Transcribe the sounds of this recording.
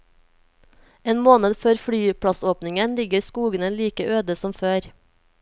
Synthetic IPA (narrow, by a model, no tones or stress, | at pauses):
eːnmoːnəd̪føːɾfɽyːpʰɽɑsoːpnɪŋənlɪɡəɾskuːɡənəliːkəʔøːd̪əsɔmføːɾ